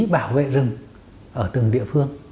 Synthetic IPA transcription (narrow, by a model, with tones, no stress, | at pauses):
ɓaː˧˩wvḛ˧˨zɨ˨˩ŋ | ʔəː˧˩t̪ɨ˨˩ŋɗḭ˧˨əfɨ˧əŋ